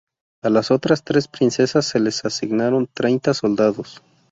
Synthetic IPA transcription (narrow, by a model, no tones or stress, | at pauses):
alaso̞t̪ɾast̪ɾe̞spɾinse̞sasːe̞le̞sasiɣnaɾo̞nt̪ɾe̞jnt̪asold̪aðos